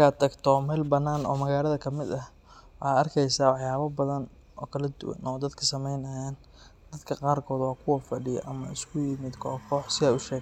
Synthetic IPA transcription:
kʰaːt̪ʰɐɡt̪ʰɔmɛːlbɐnːaːnɔ̰ːmɐɣaːlɐðɐkʰɐmɪd̪ɐh | wɑħɑːɐrkʰɛjsaːwɑħjaːβɐbɐðɐn | ɔ̰ːkʰɐlɐd̪ʊ̰wɐ̰nɔːd̪ɐd̪kʰɐsɐmɛjnɐjaːn | d̪ɐd̪kʰɐqɑːrkʰɔːd̪wɑːkʰʊwɐfɐɖɪjɔ̰ʔɐmɐ̰ɪskʰʊjɪmɪd̪kʰɔːkʰɔːħsɪaʊʃɛːɡ

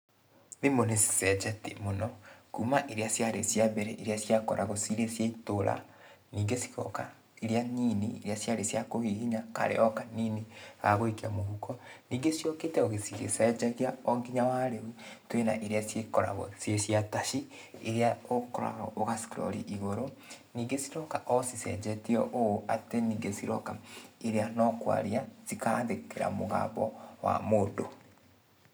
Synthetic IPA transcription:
ðemonesi̥sɛd͡ʒatemonɔkuːmaʔeɾeasjaɾḛsjabɛɾɛʔeɾeasjakɔɾʔaɣosiɾesjaitoɾa̰ | niːŋɡesi̥ɣɔ̰ka | eɾeaɲinieɾeasjaɾesjakoɣiɣiɲaka̰ɾḛɔkaniniɣaɣoikeamoɣukɔniːŋɡesiɔketɛoɣesiɣesɛd͡ʒaɣeaɔŋɡiɲawaɾeutwena̰ʔeɾeasjekɔɾa̰ɣɔ̰sjesiataʃi | eɾeaokɔɾa̰ɣɔ̰ʔoɣasi̥kɾɔ̰ɾḭʔiɣoɾoniːŋɡesiɾɔkaʔɔsisɛ̰d͡ʒɛtiɔʔooateniːŋɡesiɾɔkaeɾeanɔkwa̰ɾiazikanðekeɾa̰moɣa̰ːbɔwa̰modo

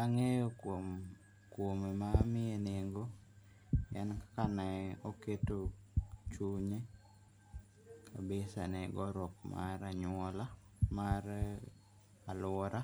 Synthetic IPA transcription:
aŋejokom | kwomemamɪeneŋɡo | ɛnkḁkanɛoketot͡ʃuɲe | kʰabesa̰nɛɡɔɾɔkma̰ɾaɲwɔla | maɾ | alwɔɾa

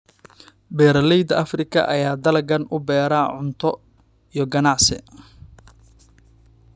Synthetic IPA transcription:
bɛːɾɐlɛjd̪ɐʔɐfrɪkʰɐ̰ʔɐjaːd̪ɐlɐɡɐnʊbɛːɾaːʕʊnt̪ʰɔ | ijɞɡɐnaʕsɪ̰

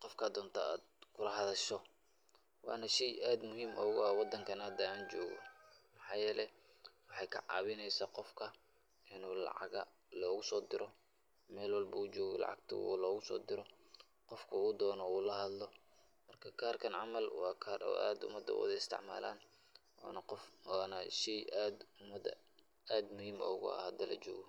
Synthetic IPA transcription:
qɔfkʰɐːd̪ɔːnt̪ʰɐaːd̪kʰʊlɐɦɐðɐʃɔ | wɑːnɐʃɛjʔaːd̪mʊɦiːmʔɔːɣʊɐwɑd̪ɐŋkʰɐnad̪ɐaːnt͡ʃɔːɣɔ̰mɑħɑːjɛːlɛj | wɑħɑjkʰɐ̰ʕɑ̰ːβɪnɛjsaːqɔfkʰɐ | ʔɪnuːlɑ̰ʕɑ̰ɣɐ | lɔːɣʊsɔːd̪ɪɾɔ | mɛːlwɑlbɐuːt͡ʃɔːɣɔlɑ̰ʕɑ̰ɡ̚t̪ʰɐ̰lɔːɣʊsɔ̰ːd̪ɪɾɔ | qɔfkʰɐuːd̪ɔːnɔuːlɐɦɐd̪lɔ | mɐrkʰɐkʰaːrkʰɐnʕɑmɐlwɑːkʰarɐ̰ʔa̰ːd̪ʊ̰mɐd̪ɐ̰wɐ̰ðɐɪst̪ʰɪ̰ʕma̰ːla̰ːn̰ | nɐqːnɐʃiad̪mɐd̪ɐ̰ | aːd̪mʊhiːmɔ̰ʊɣʊ̰ɐ̰hɐd̪ɐlʔɐ̰t͡ʃɔ̰ːɣɔ

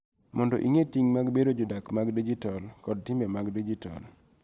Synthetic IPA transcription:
mʔɔndɔ̰ʔiŋetiŋmaɡbedod͡ʒɔdakmaɡdid͡ʒitalkɔd̚tɪmbemaɡdid͡ʒita̰l

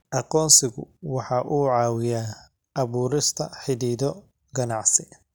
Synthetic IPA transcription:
ʔɑqɔːnsɪɣʊ̰wɑħɑʔuːʕɑːwɪjaː | ʔɐβuːɾɪst̪ʰɐħɪðiːðɔ | ɡɐnɑʕsɪ

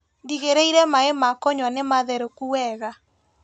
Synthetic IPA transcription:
ndiɣeɾeiɾɛmaemakɔɲwanemaðɛɾokuwɛɣa

